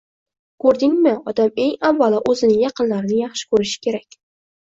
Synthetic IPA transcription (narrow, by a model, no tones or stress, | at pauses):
kʰɵɾd̪ɪŋmɪɒd̪ame̞ŋavːalaʔɵzɪnɪjɑqɨnlaɾɪnɪjɑχʃɪ̥kʰɵɾɪʃɪ̥kʲʰe̞ɾakʲ